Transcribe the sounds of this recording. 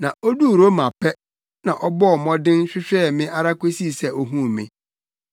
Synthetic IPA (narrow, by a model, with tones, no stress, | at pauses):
nã˨ɔ˦du˦˨ɾo˦mã˨pʰɛ˦ | nã˨ʔɔ˦bɔ˦˨mɔ̃˦dɪ̃˦n˦ɕᶣɪ˦ɕᶣɛ˦˨mɪ̃˦ʔa˦ɾa˦kʷe˦si˦˨sɛ˦o˦ɦũ˦˨mɪ̰̃˨